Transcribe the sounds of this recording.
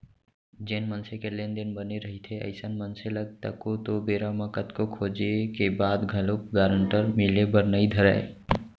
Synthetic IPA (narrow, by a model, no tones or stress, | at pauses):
d͡ʒenmənsekelend̪enbəneɾəɦit̪ʰeə̰ɪsənmənseləɡ̚t̪əkot̪obeɾaməkət̪kokʰod͡ʒekebad̪ɡʱəlop̚ɡaɾəɳʈəɾmilebəɾnəid̪ʱəɾɛ̰ɪ